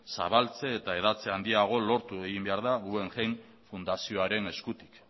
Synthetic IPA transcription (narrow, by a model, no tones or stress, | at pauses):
sa̰βalt͡se̞ːt̪ae̞ðat͡se̞and̪iaɣ̞o̞lo̞ɾt̪ue̞ɣimbe̞aɾðaɣue̞ŋʝejn | fund̪asio̞aɾe̞ne̞skut̪i̥k